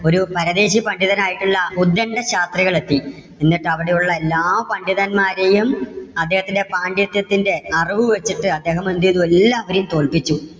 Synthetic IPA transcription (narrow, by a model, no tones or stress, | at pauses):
o̞ɾupɐɾɐðe̞ːɕipɐɳɖiðɐnaːjiʈːuɭːɐud̪ːɐɳɖɐɕaːst̪riɣɐɭe̞t̪ːi | enːiʈːɨɐʋiɽe̞juɭːɐelːaːpɐɳɖiðɐnmaːɾejumɐd̪ːeːhɐt̪ːinde̞paːɳɖit̪ːjɐt̪ːinde̞ɐriʋɨʋet͡ɕːiʈːɨɐd̪ːe̞ːɦɐmend̪ijɐðuelːaɐʋɐɾijumt̪o̞ːɭpit͡ɕːu